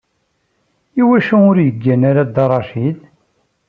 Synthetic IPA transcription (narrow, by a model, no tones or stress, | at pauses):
iwæʃuʊɾjəɡːænaɾad̪ɑɾˤɑʃid̪